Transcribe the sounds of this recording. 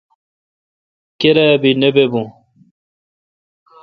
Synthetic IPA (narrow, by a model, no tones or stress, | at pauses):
keɾabinebebũ